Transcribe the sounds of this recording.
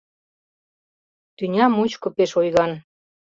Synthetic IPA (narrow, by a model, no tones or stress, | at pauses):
t̪ynʲɑmut͡ɕkŏpeʃojɣɑn